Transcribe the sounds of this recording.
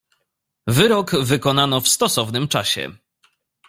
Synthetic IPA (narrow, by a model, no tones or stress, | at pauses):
vɘɾɔɡvɘkɔnanɔfst̪ɔsɔvnɘmt͡ʂaɕɛ̰